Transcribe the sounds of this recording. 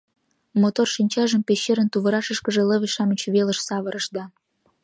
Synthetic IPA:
mot̪orʃinʲt͡ɕɑʒəmpeɕːeɾə̆nt̪uβə̆ɾɑʃə̆ʃkə̆ʒĕlə̆βə̆ʃɑmyt͡ɕβelə̆ʃsɑβə̆ɾə̆ʃd̪ɑ

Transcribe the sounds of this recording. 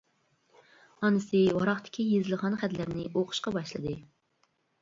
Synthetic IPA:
ɑnɨsɨwɑɾɑχt̪ʰɪ̥kʲʰijezɪlˠʁɑnχæt̪læɾnɪʔoqʰʊ̥ʃqɑbɑʃlˠɨd̪ɨ

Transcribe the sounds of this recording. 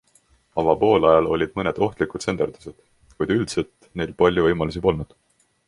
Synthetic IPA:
ɑɡ̥ɑpo̞ːlɑjɑlo̞lʲid̪̥mɤned̪̥o̞ht̪likud̪se̞nd̪erd̪̥u̥se̞d̪̥ | kujd̪̥yld̪selt̪ne̞jlpɑlʲjuvɤjmɑlus̬ipo̞lnud̪̥

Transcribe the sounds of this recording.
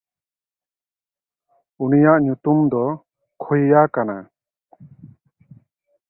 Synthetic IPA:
unijaʔɲut̪umd̪ɔ | kʰujjakana̰

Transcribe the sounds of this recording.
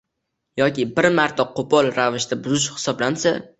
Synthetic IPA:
jɒkʲɪbɪɾmaɾt̪ʰaqʰopʰɒlˠɾavɪʃt̪ʰabʊzɪʃhɪ̥sɒblansa

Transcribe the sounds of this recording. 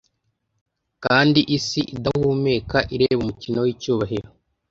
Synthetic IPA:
kaːndiʔisiʔidahuːme̞ːkaʔiɾeːβumucino̞wiːcuːβaɦeɾo

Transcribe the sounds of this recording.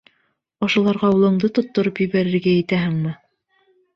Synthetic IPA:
ɑʃɑ̆lˠɑɾʁɑulˠɤ̆ɴd̪ɤt̪ŏt̪ːŏɾopjɵ̆βæɾɘ̆ɾɡæjɘ̆t̪æɦɘŋmɘ

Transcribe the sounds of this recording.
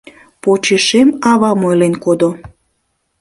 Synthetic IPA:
pot͡ɕeʃemɑβɑmojlenkod̪o

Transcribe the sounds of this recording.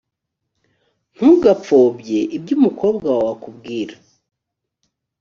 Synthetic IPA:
n̥huɡap͡fo̞ːbje̞ʔibɟumuko̞ːbɡawwakubɡiːɾḁ

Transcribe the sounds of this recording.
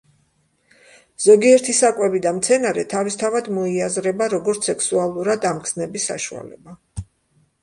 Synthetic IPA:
z̥ɔɡiɛɾt̪ʰisakʼwɛbid̪amt̪sʰɛnaɾɛt̪ʰavist̪ʰavad̪mɔiazɾɛbaɾɔɡɔɾt̪sʰɛksualˠuɾad̪amkʰsnɛbisːa̰ʃua̰lɛ̰ba

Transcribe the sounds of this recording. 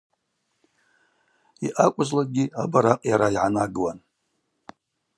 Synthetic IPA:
iʔakʷʼʊzlaɡʲiabaɾaqʼjaɾaiʕanaɡɨwan

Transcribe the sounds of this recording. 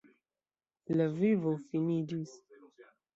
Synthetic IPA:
ləvivofinidis

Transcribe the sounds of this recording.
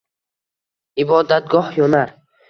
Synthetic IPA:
ibɔd̪at̪̚ɡɔhjɔnaɾ

